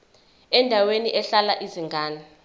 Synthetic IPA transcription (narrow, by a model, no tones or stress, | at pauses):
ɛndʱaweniʔɛɬalaʔiziŋɡʱaːna